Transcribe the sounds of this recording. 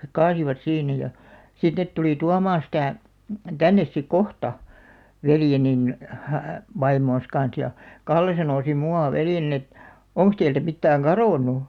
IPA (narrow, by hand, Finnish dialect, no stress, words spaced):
hek kɑːsiʋɑt siːnæ jɑ sit net tuliˑ tuɑmɑːɑ̃ sitæˑ tænːes sik kohtɑ ʋeljenin ʋɑimoːn̞s kɑn̞s jɑ kɑlːe sɑnoˑ sim muɑˑ ʋeljenin et oŋks teiltæ mitːæːŋ kɑroˑnˑu